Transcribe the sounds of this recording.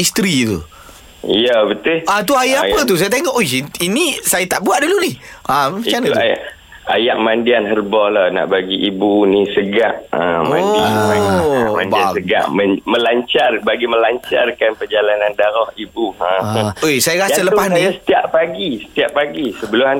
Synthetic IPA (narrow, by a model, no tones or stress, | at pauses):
ist̪ɾit̪ṵ | ijəbət̪ʊat̪uajaapət̪̬us̬ajat̪eŋɔʔojinĩsajat̪aʔbuaʔdulunihamĩanaaja̰ʔ | a̰jaʔ̚mandianɦərbɔhlahna̰ʔbaɡiʔibunisəɡa̰ʔəmaaama̰ndbiasəɡa̰ʔməmə̃laɲt͡ʃarbaɡimə̃laɲt͡ʃa̰rkanpəd͡ʒalanandaɾɔhibuaojsajaɾasaləpasnisə̥t̪iaʔpaɡisə̥t̪iaʔpaɡisəbəlʊma